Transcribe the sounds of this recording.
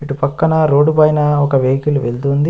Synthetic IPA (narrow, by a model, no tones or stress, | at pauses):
iʈupɐkːɐnɐɾo̞ːɖubɐjnɐɔkɐʋejkuluʋeld̪und̪i